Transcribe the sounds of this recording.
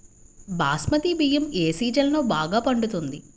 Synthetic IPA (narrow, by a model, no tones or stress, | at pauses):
baːsmɐt̪ibijɐmeːsiːd͡ʒɐlɐnoːbaːɡaːpɐɳɖut̪und̪i